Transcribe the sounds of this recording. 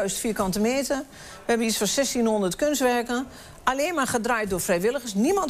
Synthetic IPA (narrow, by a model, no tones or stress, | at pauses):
ɥstfiːəkɔntəmeːtə | ʋəɛbənisfɔsɛstinhondərtkønstʋɛrkən | aleːnmarχədrajt̚doːfrɛjʋɪləɣəsnimɔn